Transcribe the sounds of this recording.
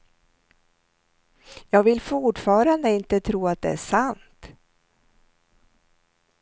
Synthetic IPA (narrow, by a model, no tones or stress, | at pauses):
jɑːɡvɪlfʊʈfɑːɾand̪əɪnt̪ət̪ʰɾuːat̪̚d̪ɛæʂant̪